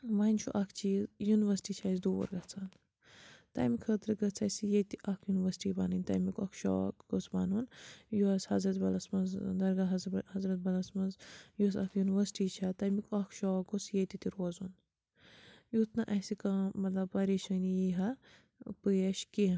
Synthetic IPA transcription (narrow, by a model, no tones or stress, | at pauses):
ʋɐnʲt͡ʃʰuʔɐkʰt͡ʃʰiːzjuniʋɐsʈiːt͡ʃʰasd̪uːʋɐ̰ɾɡɐt͡sʰaːn | t̪ɐ̰mikʰət̪ɾɨɡɐt͡sʰɐsijet̪iʔɐkʰjuniʋɐsʈibɐnɨnʲt̪ɐmikɐkʰʃo̰ɡot͡sbɐ̰ːnunjuɐshɐzɾɐt̪bɐlɐsmɐzd̪ɐɾɡɐɦɐzhɐzɾɐt̪̚bɐlɐsmɐzjuɐsɐkʰjuniʋɐsʈiːt͡ʃʰɐt̪ɐmikɐkʰʃoːɐɡot͡sjet̪it̪iɾoːzun | jut̪ʰnɐʔɐsikamɐt̪lɐb̚pɐɾiːʃɐnjiɦɐ | pɨjɐʃki